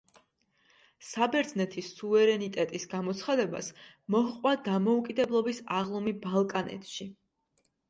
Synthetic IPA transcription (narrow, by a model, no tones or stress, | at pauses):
sabɛɾd̪znɛt̪ʰisuvɛɾɛnit̪ʼɛt̪ʼisɡamɔt̪sʰχad̪ɛba̰s | mɔhqʼwad̪amɔukʼid̪ɛblˠɔbisaʁlˠɔmibalˠkʼanɛ̰t̪ʰʼʃi